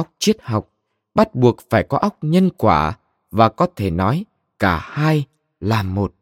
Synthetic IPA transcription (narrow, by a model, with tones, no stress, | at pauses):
wk͡p̚t͡ɕi˦˥ət̚ha˨˩wk͡p̚ | ɓa˦˥t̚ɓu˨˩ək̚faː˧˩jkɔ˨˦ʔa˦˥wk͡p̚ɲə˧nkwa̰ː˧˩ | vaː˨˩kɔ˨˦t̪ʰe˧˩nɔ˨˦j | kaː˧˩haː˧j | laː˨˩mo˨˩t̚